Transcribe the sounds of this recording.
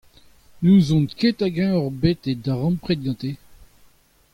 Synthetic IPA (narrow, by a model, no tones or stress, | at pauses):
nuzɔ̃nket̪aɡɛ̃ɔʁbet̪ed̪aʁɑ̃mpχet̪̚ɡɑ̃t̪e